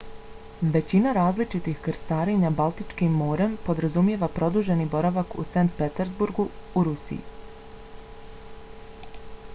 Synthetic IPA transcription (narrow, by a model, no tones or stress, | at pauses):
ʋe̞t͡ɕinaɾaːzlit͡ʃit̪ixkɾst̪aːɾe̞ɲabalˠt̪it͡ʂkimːoːɾe̞mpo̞d̪ɾazumje̞ːʋapɾo̞d̪uʒe̞nibo̞ɾaʋakṵsant̪̚pet̪eɾzbuɾɡuuɾusḭjḭ